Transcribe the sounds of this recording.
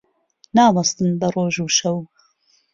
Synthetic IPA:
naːwɐst̪ɨnbɐroːʒuːʃɐw

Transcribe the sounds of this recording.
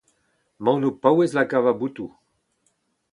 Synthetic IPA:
mawnupawezlakavabut̪u

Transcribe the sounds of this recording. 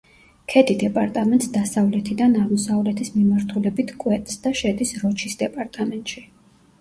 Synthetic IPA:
kʰɛd̪id̪ɛpʼaɾt̪ʼamɛnt̪ʼsd̪asavlɛt̪ʰid̪anaʁmɔsavlɛt̪ʰismimaɾt̪ʰulɛbit̪ʰkʼwɛt̪ʼsd̪aʃɛd̪isɾɔt͡ʃʰisd̪ɛpʼaɾt̪ʼamɛnt̪ʼʃi

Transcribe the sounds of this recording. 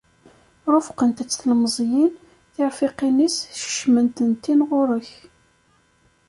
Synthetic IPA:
ɾˤʊfqənt̪æt͡sːθlmzˤjin | θɪɾfɪqinisʃə̥ʃmənt̪ənt̪ːinʁʊɾəç

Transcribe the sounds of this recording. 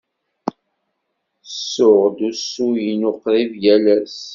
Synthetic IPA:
sːʊʁd̪usːujinʊqɾivjælæs

